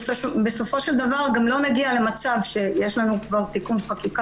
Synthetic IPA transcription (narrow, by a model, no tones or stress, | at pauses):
oʃbe̞so̞fo̞ʃeld̪avaʁɡamlo̞naɡiale̞mat͡savʃe̞jeʃlanukvaʁt̪ikunχakika